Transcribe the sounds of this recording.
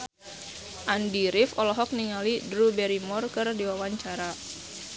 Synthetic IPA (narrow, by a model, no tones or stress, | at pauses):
ʔandiɾifɔlɔɦɔk̚niŋalidɾubɛɾimɔrkɨrdiwawaɲt͡ʃaɾa